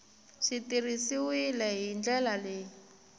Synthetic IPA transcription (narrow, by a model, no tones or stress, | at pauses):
ʂitirisiwilɛɦind͡ɮɛlaleː